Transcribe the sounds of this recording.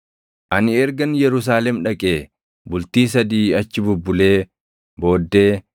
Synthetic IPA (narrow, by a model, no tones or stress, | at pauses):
ʔɐnɪɛɾɡɐnjɛɾʊs̬aːlɛmᶑɐkʼe̞ː | bʊlt̪iːs̬ɐd̪iːɐt͡ʃːɪbʊbːʊle̞ː | bo̞ːd̪ːe̞ː